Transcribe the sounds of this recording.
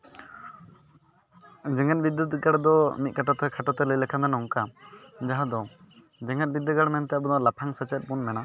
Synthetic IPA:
d͡ʒɛŋɛt̪̚bid̪ət̪ɡaɽd̪ɔmit̪̚kʰaʈɔt̪ɛkʰaʈɔt̪ɛləlɛkʰad̪ɛnɔŋkad͡ʒaɦad̪ɔ | d͡ʒɛŋɛt̪̚bid̪ːəɡaɽmɛnt̪ɛjaʔbɔd̪ɔlapʰaŋsət͡ʃɛt̪̚ˀbunmɛna

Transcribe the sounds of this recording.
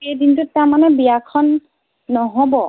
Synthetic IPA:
ejdintʊtːaɹmanɛbijakʰɔnː | ɔɦobɔ

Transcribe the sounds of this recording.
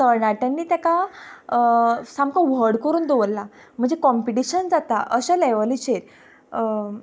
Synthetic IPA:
t̪əɾɳaʈanːiːt̪jaka | samkaʋəɽkəɾuːnd̪eʋəlːa | m̤əɳd͡zekɔmpiʈiɕənd͡zat̪aʔəɕalɛʋəlit͡ɕeɾ

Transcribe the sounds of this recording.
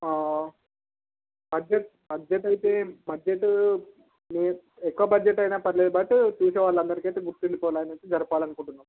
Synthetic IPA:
aː | bɐd͡ʒeʈ̚ | bɐd͡ʒeʈɐjit̪eːbɐd͡ʒeʈː | meːɛkːuʋɐbɐd͡ʒeʈːɐjnaːpɐɾileːd̪ɐbɐʈit͡ʃuːseːʋaːɭːɐnd̪ɐɾikiɐjt̪eːɡuɾt̪ːiɳɖipɔːlaːjnɐt̪ːd͡ʒɐɾɐpaːlɐnukuɳʈunːaːm

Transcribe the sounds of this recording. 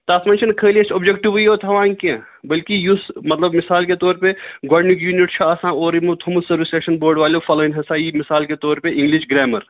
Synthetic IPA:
t̪aːsmɐːnt͡ʃʰinkʰəːliet͡ʃʰobd͡ʒekʈiʋujoːt̪ʰɐʋãːŋkẽ | bɐlkijusmɐt̪lɐbmisaːlket̪oːɾpeɡaːɖnikjuːniʈt͡ʃʰuasãːoːɾimut̪ʰumusɐɾʋisʈeːʃɐnboːɾɖʋaːlofɐloːinʲɦɐsaːimɪsaːlket̪oːɾpeʔɪ̃ŋɡliʃɡɾeːmɐɾ

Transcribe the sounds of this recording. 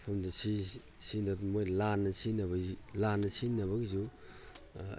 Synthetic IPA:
pʰɐmdɐsi | sinatmojlanɐsinɐβɐlanːɐsinːɐβɐɡizu

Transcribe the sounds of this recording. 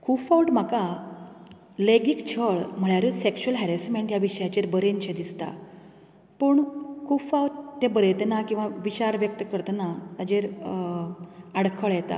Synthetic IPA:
kʰufauʈm̤aka | leɡikt͡ɕʰəɭm̤əɭjaɾusekɕuəlɦɛɾɛsmeɳʈjaʋiɕəjat͡ɕeɾbəɾent͡ɕʰed̪ist̪a̰ | pəːɳkʰufawʈt̪ːebəɾet̪enakĩw̃ʋaʋit͡ɕaɾʋjək̚t̪əkəɾt̪ənat̪ad͡ʑeɾ | aɽkʰəɭjɛt̪a̰

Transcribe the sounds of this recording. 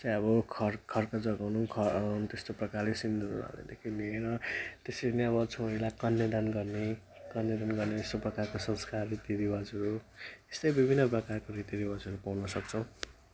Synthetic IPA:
t͡sãjʌβʌkʰʌrkʰʌrkad͡zʌɡawnukʰʌt̪est̪oprʌkarlesind̪ʱunṵɾʌ̰lḛd̪ekʰineeɾʌt̪eseneʌβʌt͡sʰoɾilakʌnjʌd̪anɡʌrne | kʌnjʌd̪anɡʌrnet̪est̪oprʌkarkosʌ̃nskaːit̪iɾibad͡zʌɾue̥st̪ʌjbibʱinːʌp̬rʌkarkoɾit̪iɾibad͡zɦʌɾupawnʌsʌk̚t͡sʰʌw̃

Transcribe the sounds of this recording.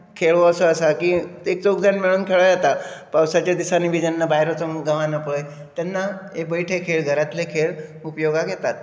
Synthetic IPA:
kʰeɭʋoəsəəsakiek̚t͡soɡd͡zanmiɭuːnkʰeɭajat̪apawsat͡ɕjad̪isanibʱid͡ʑɛnːabajɾot͡səmɡəʋanəpəj | t̪ɛnːaebəiʈʰekʰeɭɡʱəɾat̪lekʰeɭupjoɡaɡet̪at̪̚

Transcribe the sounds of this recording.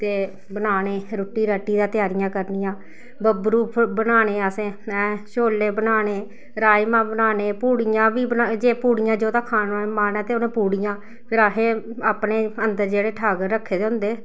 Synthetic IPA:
t̪eː | bənaːneːɾoːʈːiːɾəʈːiːd̪ãːt̪ɪjaːɾɪjãːkəɾnijãː | bəbɾuːbənaːneːasẽːɛ̃ːʃoːlːeːbənaːneː | ɾaːimãːbənaːneːpuːɽijãːʋiːbənad͡ʒeːpuːɽɪjãːd͡ʒoːt̪ãːkʰaːnaːeːmaːnɛːt̪eːʊnẽːpuːɽɪjãː | pʰɪɾakʰeːaːpneːənd̪əɾd͡ʒeːɽeːʈʰaːɡəɾːəkʰːeːd̪eːɦʊ̃nd̪eː

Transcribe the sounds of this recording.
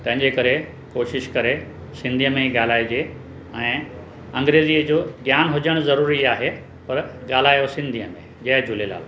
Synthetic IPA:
t̪ɐ̃ɦɪ̃ɲd͡ʑekɐɾe | koːʃɪʃkɐɾe | sɪ̃nd̪ʱiəmẽiɠaːl̤aːid͡ʑe | ɛ̃ː | ɐ̃ŋɡɾeːziːəd͡ʑoːɡjaːnɦʊd͡ʑəɽ̃ʊzɐɾuːɾiaːɦe | pɐɾɠaːl̤aːjosɪ̃nd̪ʱiəmẽʄɐɦd͡ʑʱʊlela̰ːl

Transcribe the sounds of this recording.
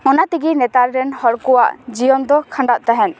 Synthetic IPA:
ɔnat̪iɡinɛt̪aɾɾɛnhɔɾkɔwa̰ʔd͡ʒijɔnd̪ɔkʰãɳɖaʔt̪aɦɛn

